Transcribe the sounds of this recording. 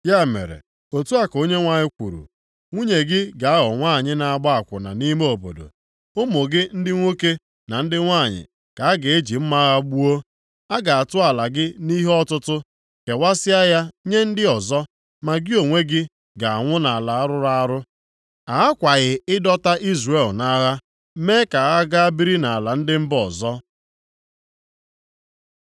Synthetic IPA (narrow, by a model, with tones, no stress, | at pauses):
ja˦˨mḛ˨ɾḛ˨ | o˨tu˦a˦ko˦ɲe˦ŋʷa˨ɲɪ˦kʷṵ˨ɾṵ˨ | ŋʷu˦ɲe˨ɡɪ˦ɡa˨a˦ɣɔ˨ŋʷa˦˨ɲɪ˦na˨a˨ɡ͡bɔ˦a˨kʷʊ̰˨na̰˨ni˦me˦o˨po̰˨do̰˨ | ʊ˦mʊ˨ɡɪ˦n̩˦dɪ˦ŋʷo˦ke˦ | na˨n̩˦dɪ˦ŋʷa˦˨ɲɪ̰˨ | ka˨a˦ɡe˨e˦d͡ʒi˨m̩˦ma˦ɣa˦ɡ͡bu˦o˦ | a˦ɡa˨a˨tʊ˦a˨la˨ɡɪ˦ni˦ɦɔ˦tʊ˦tʊ˦ | ke˨wʷa˦sɪ˦a˦ja˦ɲe˦n̩˦dɪ˦ɔ˨zɔ˦ | ma˨ɡɪ˦o˨ŋʷe˦ɡɪ˦ | ɡa˨a˨ŋʷʊ˦na˨a˨la˨a˦ɾʊ˦ɾa˦a˦ɾʊ˦ | a˨a˦kʷa˨ɣɪ˨ɪ˦dɔ˦ta˦ʔi˦zre˨lna˦ɣa˦ | me˦ka˨ɣa˦ɡa˦a˦bi˦ɾi˦na˨a˨la˨n̩˦dɪ˦m̩˦bɔ˨zɔ˦